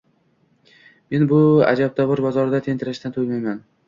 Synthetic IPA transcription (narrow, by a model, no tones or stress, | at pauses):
me̞nbʊa̰d͡ʒab̚t̪ʰɒvɪɾbɒzɒɾd̪at̪ʰe̞nt̪ʰɪɾaʃt̪ant̪ʰojmajman